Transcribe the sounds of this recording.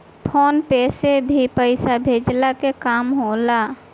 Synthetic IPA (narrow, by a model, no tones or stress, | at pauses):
pʰoːnpeːsebʱipəɪsabʱed͡ʒlakekaːmɦola